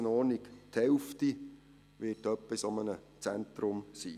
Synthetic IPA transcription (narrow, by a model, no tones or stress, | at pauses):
ənɔːɾnikthɛlfti | ʋɪːtœpːɪsɔmənə | t͡sænt̪ɾʊmsḭː